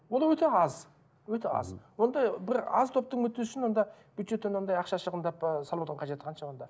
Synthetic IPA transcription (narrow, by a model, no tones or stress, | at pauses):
wolˠwɵt̪eɑz | wɵt̪eɑ̰zwo̞nd̪ɑjbɪɾɑ̰zt̪ʰo̞p̚t̪əɴmɵt̪ːesʏʃɪnwo̞nd̪ɑb̥yjd̪ʒe̞t̪ːenwo̞nd̪ɑjɑqʃɑʃəʁənd̪ɑpsɑlˠbuɑəɴqʰɑʒe̞t̪ɪqʰɑnʃɑwond̪ɑ